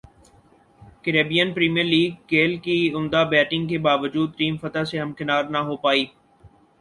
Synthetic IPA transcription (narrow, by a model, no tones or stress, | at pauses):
kɪɾeːbijənpɾiːmijəɾliːɡ̚keːlkiʊmd̪abɛːʈɪ̃ŋɡkebaːʋəd͡ʒuːd̪̚ʈĩːmfət̪aseɦɐmkɪnaːɾnaɦopaːiː